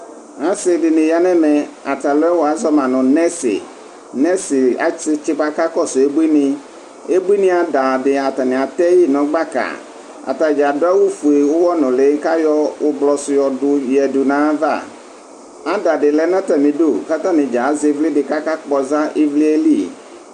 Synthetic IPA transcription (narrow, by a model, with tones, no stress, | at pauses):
a˦sɪ˨dɪ˨nɪ̃˨ja˦nɛ̃˦mɛ̃˨a˨t̪a˨lʊ˦ɛ˦wɔ˨a˦zɔ˦mã˨nʊ̃˨nɛ˦sɪ̰˨ | nɛ̃˦sɪ˨a̰˦t͡ʃɪ˦t͡ʃɪ˦ba˦ka˦kɔ˦sʊ˨e˦bu˦i˦nɪ̃˦ | e˦bu˦i˦nɪ̃˦a˨da˨dɪ˨a˨t̪a˨nɪ̃˨a˨t̪ɛ˦ji˦nɔ̃˨ɡ͡ba˦ka̰˨ | a̰˨ta˨d͡ʒa˨dʊ˦a˦wu˦fu˨e˨wʊ˦wɔ˦nʊ̃˨le˨˦ka˦jɔ˦wʔʊ˦blɔ˨sʊ˨jɔ˨dʊ˨jɛ˨dʊ˨nã˦va̰˦˨ | a˦da˨dɪ˨lɛ˦nã˦ta˨mɪ̃˨do˦˨ka˦t̪a˦nɪ̃˨d͡ʒa˨˦zɪ˨˦vlɪ˦dɪ˨ka˦ka˦k͡pɔ˨za˦ʔe˦vli˦e˦li˦˨